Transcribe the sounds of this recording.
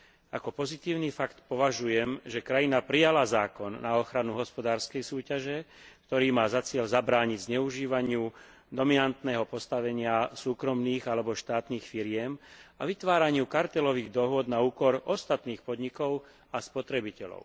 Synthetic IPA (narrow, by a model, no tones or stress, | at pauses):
ʔakɔpɔzit̪iːʊnifakt̪pɔʋaʒujɛmʒɛkɾajinapɾijalazaːkɔnːaɔxɾanuɦɔspɔd̪aːɾskɛjsuːcaʒɛk̚t̪ɔɾiːmaːzat͡sɪɛʎzabɾaːɲiɟzɲɛuʒiːʋaɲɪu | d̪ɔminant̪nɛːɦɔpɔst̪aʋɛɲɪasuːkɾɔmniːɣalɛbɔʃt̪aːt̪niːxfiɾɪɛmaʋit̪ʋaːɾaɲɪukaɾt̪ɛlɔʋiːɣd̪ɔɦʊɔd̪nauːkɔɾʔɔst̪at̪niːxpɔd̪ɲikɔʊ | aspɔt̪ɾɛbicɛʎɔ̰ʊ